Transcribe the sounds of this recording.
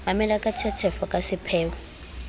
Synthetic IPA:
mamɛlakʼatʰɛtʰɛfɔkʼasɪpʰɛːwɔ

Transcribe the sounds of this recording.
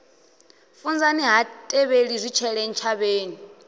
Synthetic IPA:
fund͡zaniɦatʼɛβeɺizʷit͡ʃʰɛɺɛn̩t͡ʃʰaβeːni

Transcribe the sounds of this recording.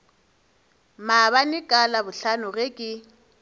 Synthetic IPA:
maβanɪkʼalabʊɬanʊɣekʼɪ

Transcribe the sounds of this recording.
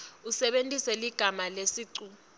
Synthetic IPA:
usɛɓentʼisɛliɡ̥ʱamalesiːǀu

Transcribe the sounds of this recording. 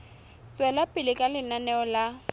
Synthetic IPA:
t͡sʼwɛlapʼɪlɪkʼalɪnanɛɔla

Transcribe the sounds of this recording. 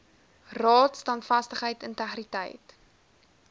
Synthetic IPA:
rɑːtstɐntfɐstəχɦəjtəntəχritə̰jt

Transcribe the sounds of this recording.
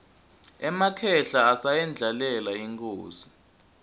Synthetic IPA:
ɛmakʰɛɬaːsajɛnd͡ɮʱalɛlaiŋkʰʼoːzi

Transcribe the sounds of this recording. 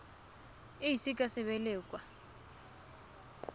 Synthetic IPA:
ɪɦisikʼasɪβɛlɛːkʼwa

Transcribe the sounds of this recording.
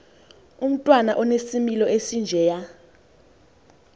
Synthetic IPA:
um̩tʼwanaʔɔnesimilɔʔesind͡ʒʱɛːja

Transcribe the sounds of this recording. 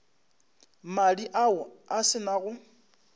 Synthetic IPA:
maɺiʔaʊasɪnaɣʊ

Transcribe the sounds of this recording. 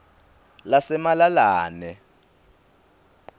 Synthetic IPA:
lasɛmalalaːnɛ

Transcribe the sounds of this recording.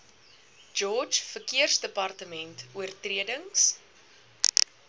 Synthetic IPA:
d͡ʒɔːt͡ʃfərkiərsdəpɐrtəmɛntʰuərtriədəŋs

